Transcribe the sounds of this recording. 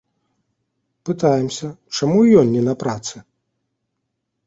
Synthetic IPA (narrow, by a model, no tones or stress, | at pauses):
pɨt̪ajɛmsʲɐt͡ʂamujɔnʲːɛnɐpɾat̪sɨ